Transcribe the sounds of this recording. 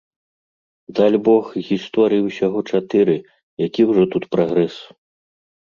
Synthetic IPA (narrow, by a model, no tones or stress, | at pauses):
d̪alʲbɔxɣʲist̪ɔɾɨjiwsʲaɣɔt͡ʂat̪ɨɾɨ | jakʲiwʐɔt̪ut̪pɾaɣɾɛs